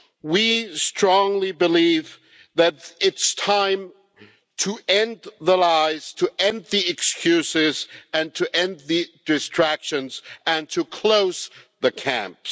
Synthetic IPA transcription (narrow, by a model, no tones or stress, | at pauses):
wistɹ̥ɔ̃ŋlibɨliv | ðɨɾɪtstʰãɪ̃m | tʰɨɛ̃nðəlaɪz̥tʰɨʔɛ̃nðiɨkskʰj̥ʉsɪzɨ̃ntʰɨʔɛ̃nðɨdɨstɹ̥ækʃɨ̃nzɨ̃ntʰɨkʰl̥oʊz̥ðɨkʰæ̰̃mps